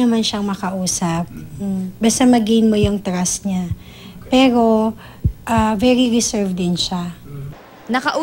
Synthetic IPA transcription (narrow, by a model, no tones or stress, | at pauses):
ɐmanʃaŋmɐkɐʔuːsɐp̩̚bɐst̪ɐmɐɡinmo̞jʊŋt̪ɾasɲa | pɛːɾo̞ | ʔavɛɾiɾɪsɛɹvd̪ɪnʃa | nɐkɐʔ